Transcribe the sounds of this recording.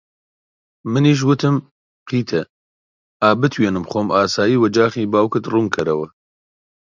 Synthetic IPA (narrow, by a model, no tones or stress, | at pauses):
mɨniːʃ̬wʊt̪ʰɨm | qʰiːt̪ʰɛ | aːbɨt̪ʰweːnɨmχoːmʔaːsaːjiːwɐd͡ʒaːχiːbaːwkɨt̪ruːŋkʰɨɾɐwɐ